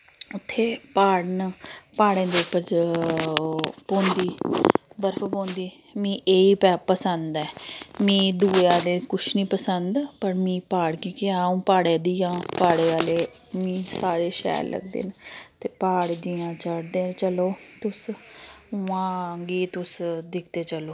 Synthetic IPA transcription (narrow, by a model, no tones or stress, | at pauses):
ʊt̪ʰːeːpaːɽnəpaːɽẽːnd̪eːpə | põːnd̪iːbəɾfʰəpõːnd̪iː | mĩːʔeːiːpɛːpəsənd̪ɛːmĩːd̪uːeːaːleːkʊʃʰnĩːpəsənd̪pəɾmĩːpaːɽkiːkeaːũːpaːɽẽːd̪iːjãːpaːɽeːʋaːleː | mĩːsaːɾeːʃɛ̰ːɾlə̰ɡd̪ḛːnt̪eːpaːɽd̪iːãːt͡ʃəɽd̪eːt͡ʃəloːt̪ʊs | ʊãːɡiːt̪ʊsd̪ɪkʰd̪eːt͡ʃəloː